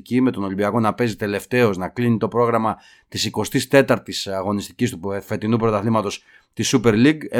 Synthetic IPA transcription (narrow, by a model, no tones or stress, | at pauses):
cime̞t̪o̞no̞limbiɐko̞nɐpe̞zit̪e̞le̞ft̪e̞o̞znɐklinit̪o̞pɾo̞ɣɾɐmɐ | t̪isiko̞st̪ist̪e̞t̪ɐɾt̪isɐɣo̞nist̪i̥cist̪ufe̞t̪inupɾo̞t̪ɐθlimɐt̪o̞s | t̪isupe̞ɾliɡe